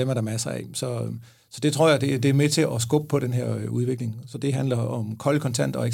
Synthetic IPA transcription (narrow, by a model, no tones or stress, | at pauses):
emæɐɾ̥ɑmæsɐɛ̰sɒ̽ | sɒ̽d̥e̝t͡sʰʁo̝ɐ̰jɑ̈ɪd̥e̝d̥e̝æɐmet͡sʰe̝lʔɒs̬ɡ̥ɔ̽b̥əpʰɒ̽ɾ̥enɦeɐ̰øuð̞ˠʋe̝ɡ̥le̝ŋsɒ̽d̥e̝ɦænlɐɒ̽mkʰɒ̽lkʰɒ̽nt͡sʰæn̰d̥ɒ̽eɡ